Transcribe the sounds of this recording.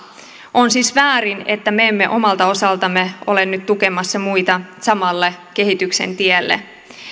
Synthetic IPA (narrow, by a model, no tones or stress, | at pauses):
ʔonsiːsʋæːɾinet̪ːæmeemːeʔo̞mɑlt̪ɑo̞sɑlt̪ɑmːeo̞̰lennyt̪t̪ukemɑsːɑmuit̪ɑsɑmɑlːeke̞ɦit̪ykse̞̰nt̪ielːḛ